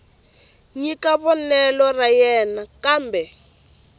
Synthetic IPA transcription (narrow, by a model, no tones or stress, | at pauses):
ɲikaβɔnɛlɔrajɛnakaːmbɛ